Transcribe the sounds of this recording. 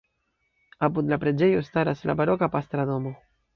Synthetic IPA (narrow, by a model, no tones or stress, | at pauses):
apud̪lapɾe̞d͡ʒe̞jo̞staɾasla̰baɾo̞kapastɾado̞mo̞